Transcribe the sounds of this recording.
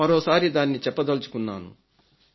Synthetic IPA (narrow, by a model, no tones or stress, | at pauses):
ɐɾoːsaːɾid̪aːnːit͡ʃɛpːɐd̪ɐlut͡ʃu̥kunːaːnṵ